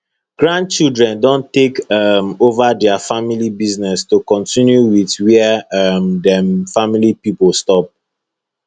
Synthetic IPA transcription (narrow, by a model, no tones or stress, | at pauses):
ɡ̥ɹãnd̚t͡ʃildɹɛ̃ndɔ̃ntekʌmovadɛafamilibiznɛstukɔ̃ntĩnjuwiθwɛɛamdɛ̃mfamilipipolstɔp̚